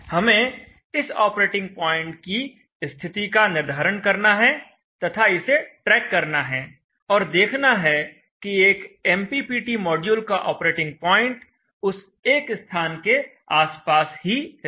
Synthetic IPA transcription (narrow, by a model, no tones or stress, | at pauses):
hɐmẽ | ɪsɔ̰ːpɾeːʈɪ̃ŋɡ̚pɔːɪ̃ɳʈ̚ki | st̪ʰɪt̪ikanɪɾd̪ʱaːɾənkɐɾnaɦɛ | t̪ɐt̪ʰaɪseʈɾɛːkːɐɾnaɦɛː | ɔːɾd̪eːkʰnaɦɛ | kieːkɛmpipiːʈimɔːɖjuːlkaʔɔːpɾeːʈɪ̃ŋɡ̚pɔːɪ̃ɳʈ | ʊs | eːkst̪ʰaːnke | aːspaːsɦi